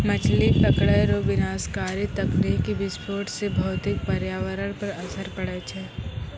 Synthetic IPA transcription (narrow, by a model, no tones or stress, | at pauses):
mət͡ʃʰlitəkɽɛɾoʋɪnaːskaːɾit̪ɐknikibɪspoːʈsebʱɐːt̪ɪk̚pɐɾjaːʋəɾəɽ̃pɐɾɐsəɾpəɽet͡ʃʰɛː